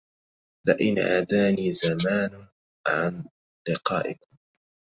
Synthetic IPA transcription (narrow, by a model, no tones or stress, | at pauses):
laʔɪnʕad̪aːniːzamaːnʊ | ʕan | lɪqɑ̰ːʔɪkʊm